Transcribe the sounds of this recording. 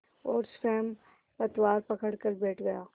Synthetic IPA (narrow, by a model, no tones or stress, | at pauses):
ɔːɾsɛːm | pɐt̪waːɾpɐkəɽkəɾbɛːʈʰɡɐjaː